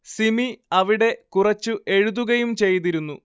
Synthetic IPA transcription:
simiɐʋiɽe̞kurɐt͡ɕːuʔe̞ɻuðuɣɐjumt͡ɕe̞jt̪iɾunːu

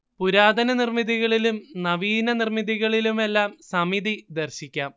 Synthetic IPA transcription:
puɾaːd̪ɐnɐnirmiðiɣɐɭilumnɐʋiːnɐnirmiðiɣɐɭilume̞lːaːmsɐmiðid̪ɐrɕikʲːaːm

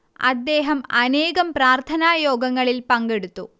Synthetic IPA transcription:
ɐ̰d̪ːe̞ːɦɐmɐneːɣɐmpɾaːrt̪ʰɐnaːjo̞ːɡɐŋːɐɭilpɐŋɡeɽut̪ːu

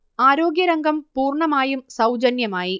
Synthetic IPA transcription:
aːɾo̞ːɡjɐɾɐŋɡɐmpuːrɳɐmaːjumsɐwd͡ʑɐnjɐmaːji

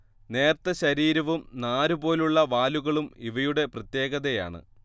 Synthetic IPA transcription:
ne̞ːrt̪ɐɕɐɾiːɾɐʋumnaːɾubo̞ːluɭːɐʋaːluɣɐɭumiʋɐjuɽe̞prɐt̪je̞ːɣɐðeja̰ːɳɨ̰

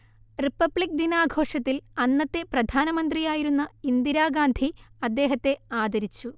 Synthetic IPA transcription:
ripːɐbɭik̚d̪inaːɡʱo̞ːʂɐt̪ːilɐnːɐt̪ːe̞prɐd̪ʱaːnɐmɐnd̪rijaːjiɾunːɐind̪iɾaːɡaːnd̪ʱiɐd̪ːe̞ːɦɐt̪ːe̞aːd̪ɐɾit͡ɕːu

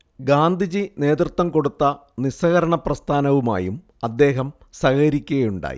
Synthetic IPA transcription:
ɡaːnd̪ʱid͡ʑine̞ːd̪rɨt̪ʋɐmko̞ɽut̪ːɐnisɐɣɐɾɐɳɐprɐst̪ʰaːnɐʋuma̰ːjum | ɐd̪ːe̞ːɦɐm | sɐɣɐɾikʲːuɣɐjuɳɖa̰ːjḭ

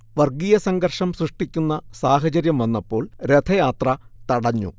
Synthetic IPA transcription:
ʋɐrɡijɐsɐŋɡɐrʂɐmsrɨʂʈikʲːunːɐsaːɦɐt͡ɕɐɾjɐmʋɐnːɐpːo̞ːɭɾet̪ʰɐjaːt̪rɐt̪ɐɽɐɲːṵ

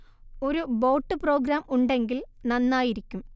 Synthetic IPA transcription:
o̞ɾubo̞ːʈːɨpro̞ːɡɾaːmʔuɳɖe̞ŋɡilnɐnːaːjiɾikʲːum

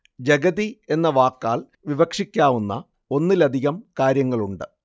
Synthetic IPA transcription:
d͡ʑɐɡɐðie̞nːɐʋaːkːaːɭ | ʋiʋɐkʂikʲːaːʋunːɐ̰ | o̞nːilɐd̪ʱiɣɐmkaːɾjɐŋːɐɭuɳɖɨ

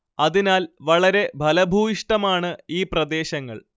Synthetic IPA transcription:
ɐðinaːlʋɐɭɐɾe̞bʱɐlɐbʱuːjiʂʈɐmaːɳɨiːprɐd̪e̞ːɕɐŋːɐ̰ɭ

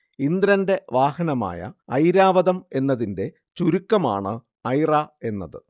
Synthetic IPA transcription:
ind̪ɾɐnde̞ʋaːhɐnɐma̰ːjɐ̰ɐjɾaːʋɐðɐme̞nːɐðinde̞ | t͡ɕuɾukːɐma̰ːɳɨ | ɐjrae̞nːɐ̰ðɨ̰

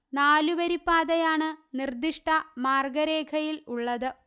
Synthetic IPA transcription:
naːluʋɐɾipːaːðɐjaːɳɨnird̪iʂʈɐmaːrɡɐɾeːkʰɐjiluɭːɐðɨ

